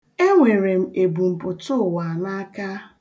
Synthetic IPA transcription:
e˦ŋʷe˨ɾe˨m̩˨e˨bu˨m̩˨pʊ˨tʊ˦˨wa˨na˦a˦ka˦

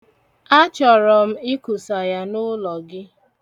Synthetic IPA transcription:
a˦t͡ʃɔ˨ɾɔ˨m̩˦ɪ˦ku˨sa˨ja˦nʊ˦lɔ˨ɡɪ˦

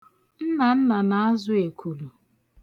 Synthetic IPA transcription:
n̩˦na˨n̩˦na˨na˨a˦zʊ˦e˨kʰu˨lu˨

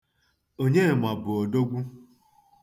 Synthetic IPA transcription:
o˦ɲe˦˨ma˨bʊ˨ɔ˨do˦ɡʷu˦

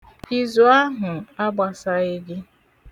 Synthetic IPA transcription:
i˦zu˨˦a˦ɦʊ˨a˦ɡ͡ba˨sa˦i˦ɡɪ˦

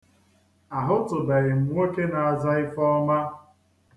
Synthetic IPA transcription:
a˨ɦʊ˦tʊ˨be˨ɾɪ˨m̩˨ŋʷe˦ke˦na˨a˨za˦ɪ˦fɔ˦ma˦

